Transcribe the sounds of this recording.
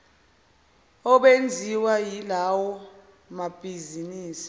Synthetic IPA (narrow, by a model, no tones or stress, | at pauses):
ɔɓend͡zʱiwajilawɔ | mab̥ʱiziniːsi̥